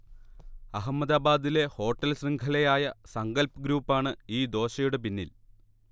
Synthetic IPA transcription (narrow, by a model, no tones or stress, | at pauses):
ɐɦɐmːɐd̪aːbaːd̪ile̞ho̞ːʈːɐlsriŋɡʰʱɐlɐjaːjɐsɐŋɡɐlpɐɡɾuːpːaːɳɨiːd̪o̞ːɕɐjuɽe̞p̬inːḭl